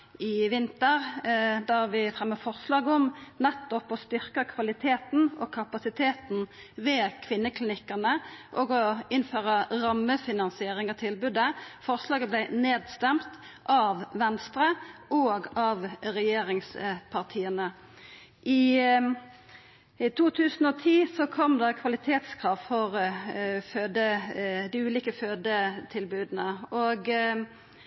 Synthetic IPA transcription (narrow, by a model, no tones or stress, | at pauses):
ɪʋɪnt̪əʁd̪æʁʋɪfɾɛmːəfɔʁslɑːɡəɔmnɛt̪ːɔpɔst̪ʏʁkəkʰʋɑlɪt̪ʰeːt̪n̩ɔkʰɑpɑsɪt̪ʰeːt̪n | ʋeːkʰʋɪnːəkʰlɪnɪkːəʁnəʔɔɡɔɪnføːʁəɾɑmːəfɪnɑnsɪeːɾɪŋət̪ʰɪlbʉd̪əfɔʁslɑːɡəblæɪneːd̪st̪ɛmt̪ʔɑʋʋɛnst̪ʁəoːɡɑʋʁɛjeːɾɪŋspʰɑʁt̪ʰiːənə | ʔɪ | t̪ʰuːt̪ʰʉːsn̩oːt̪ʰiːsɔkʰɔmd̪ɑkʰʋɑlɪt̪ʰeːt̪skʰʁɑːʋfɔʁ | føːd̪əd̪ɪʉːliːkəføːd̪ət̪ʰɪlbʉːd̪n̩əʔoɡ